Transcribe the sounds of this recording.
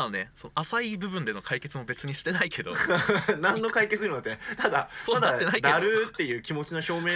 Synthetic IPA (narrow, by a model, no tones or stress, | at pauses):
ane̞sonoasaibɯ̟bɯ̟̃nd̪e̞no̞kʰaike̞t͡sɨmo̞be̞t͡sɨɲ̟iɕi̥t̪e̞naikʰe̞d̪o̞̰nãnnːo̞kaiket͡sɨɾɯnot̪ːet̪ad̪asoːad̪at̪ːenaid̪eaɾɯ̟t̪ːe̞jɯ̟ːkʲimo̞t͡ɕino̞ço̞ːme̞ː